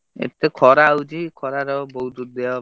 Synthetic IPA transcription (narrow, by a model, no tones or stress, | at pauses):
ḛt̪ːekʰɔɾawd͡ʒikʰɔɾaɾɔbɔɦud̪ud̪eɔ